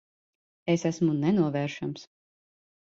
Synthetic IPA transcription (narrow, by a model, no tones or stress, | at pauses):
esæsmunɛnuɔvɛːɾʃams